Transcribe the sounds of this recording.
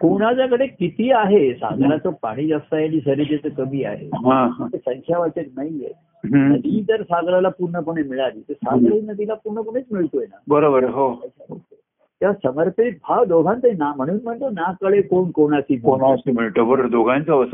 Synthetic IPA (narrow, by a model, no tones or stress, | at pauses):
koɽ̃ad͡zjakəɽekit̪iːaɦesa̰ɡlat͡sopa̰ɽ̃iːd͡zast̪ajaniːsəɾet̪et͡səkəmiːa̰ɦḛɦãɦmət̪esəŋkʰjaʋat͡set̪naije | ɦnəd̪ʱiːd͡z̪əɾsaɡlalapuɾɳəpuɳ̃emiɭaɾiːt̪esaɡlainəd̪ʱilapuɾɳəpuɳet͡smiɭt̪ojenabəɾobəɾɦoəaɦo | t̪eʋasəməɾpet̪̚bʱaʋd̪oɡʱant̪əinam̤əɽ̃uːnm̤əɳt̪onakəɭekoɳkoɳ̃asiːkonasimiɭʈəbəɾd̪oɡʱãnt͡səəsə